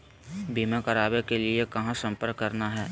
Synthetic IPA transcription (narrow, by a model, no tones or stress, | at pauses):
bʱiːmẽkɐɾaːbekeliekɐɦãsɐ̃mpəɾkːɐɾnaɦɛː